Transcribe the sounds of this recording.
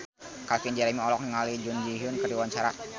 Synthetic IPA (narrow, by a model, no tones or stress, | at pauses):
kalkind͡ʒaɾamiɔlɔk̚niŋalid͡ʒund͡ʒiɦʊnkərdiwaɲt͡ʃaɾa̰